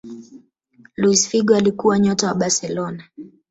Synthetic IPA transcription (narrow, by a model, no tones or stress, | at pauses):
luisfiɡɔalikuwaɲɔtawaɓasɛlɔna